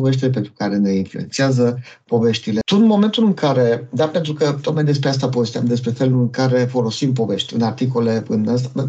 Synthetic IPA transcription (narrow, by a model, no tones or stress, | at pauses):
ove̞ʃ̬t̪ilepent̪ɾu̥kaɾe̞ne̞influe̞̰nt̪seazəpo̞ve̞ʃt̪ile̞t̪unmo̞ment̪ulɨŋkaɾe̞d̪ape̞nt̪ɾukət̪ok̪majd̪e̞s̬pɾeas̬t̪apove̞st̪ʲamd̪espɾe̞fe̞lulɨŋkaɾe̞fo̞lo̞simp̬o̞ve̞ʃt̪ʲɨ̰nart̪iko̞le̞ɨnas̬t̪ad̪ə